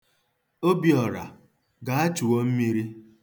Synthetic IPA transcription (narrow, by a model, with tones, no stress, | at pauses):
o˦bi˨ɔ˨ɾa̰˨ | ɡa˨a˦t͡ʃu˨wo˦m̩˦mi˦ɾi˦